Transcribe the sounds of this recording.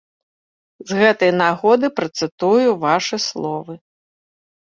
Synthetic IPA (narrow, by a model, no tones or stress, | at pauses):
zɣɛt̪ɐjnaɣɔd̪ɨpɾɐt̪sɨt̪ujuvaʂɨslˠɔvɨ